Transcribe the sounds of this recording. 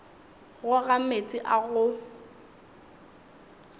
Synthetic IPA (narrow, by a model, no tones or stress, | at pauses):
ɣʊɣamet͡sʼɪʔaɣʊ